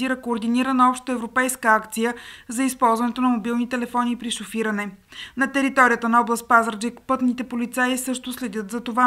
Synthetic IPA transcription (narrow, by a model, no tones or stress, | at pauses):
ziɾəkoːɾd̪iniɾənəɔpʃt̪əɛvɾopɛjskəakt̪sijəzɐispɔlˠzvɐnɛt̪onɐmobilˠnit̪ɛlɛfɔnipɾiʃofiɾənɛnɐt̪ɛɾit̪ɔɾijət̪ənɐɔblˠəst̪̚pazɾd͡ʒɛkpɤt̪nit̪ɛpolit̪saisɤʃt̪ʊslɛd̪jɤt̪zɐt̪ova